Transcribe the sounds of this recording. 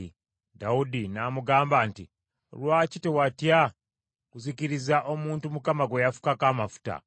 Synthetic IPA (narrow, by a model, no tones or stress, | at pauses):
daudinaːmuɡaːmbantḭ | lwaːcitewatja | kuziciɾizaʔo̞muːntumukamaɡwejafu̥kakamafu̥ta̰